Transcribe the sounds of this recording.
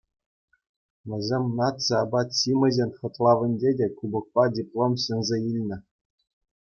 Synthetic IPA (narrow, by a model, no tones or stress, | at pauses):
ʋʲɘ̆zʲemʲnɑt̪t͡sɤɑbɑt̪ɕimʲɘ̆zʲenʲχɤ̆t̪lˠɑʋʲɘ̆nʲdʲedʲekubɤ̆k̚pɑdʲiplˠomɕɤ̆nʲzʲeilʲnʲɘ̆